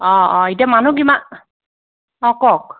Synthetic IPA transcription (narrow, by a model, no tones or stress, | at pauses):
ɔɔet̬iamanuɡima | ɔkɔk̚